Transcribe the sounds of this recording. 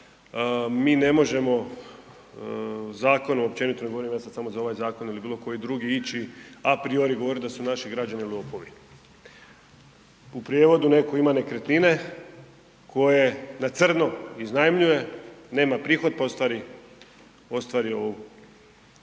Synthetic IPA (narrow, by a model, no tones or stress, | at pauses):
miːne̞mo̞ʒe̞mo̞ | zaːko̞nomop̚t͡ʃe̞nit̪oneɡooɾimjaːsad̪samo̞zao̞ʋajzaːko̞nilibiːlˠo̞ko̞jid̪ɾuɡiit͡ɕiapɾio̞ɾiɡo̞ʋo̞ɾit̪d̪asunaʃiɡɾad͡ʒaniliopoʋi | upɾijeʋo̞d̪une̞ko̞imane̞kɾet̪nine̞ | kʰo̞je̞nat̪sr̩no̞iznajmʎuje̞ne̞ːmapɾiːxo̞d̪̚paost̪ʋaːɾi | o̞st̪ʋaːɾio̞ʋu